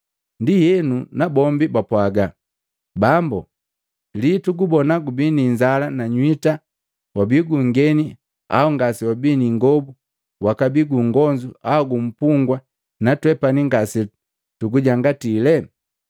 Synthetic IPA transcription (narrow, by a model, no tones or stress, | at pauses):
ndijɛnunabɔmbibapwaɡa | bambṵ | lituɡubɔnaɡubiniɲd͡ʒalanaɲwita | wabiɡuŋɡɛni | a̰uŋɡasiwabiniŋɡɔbu | wakabiɡuŋɡɔɲd͡ʒuʔauɡum̩puŋɡwa | natwɛpaniŋɡasi | tuɡuɟaŋɡatilɛ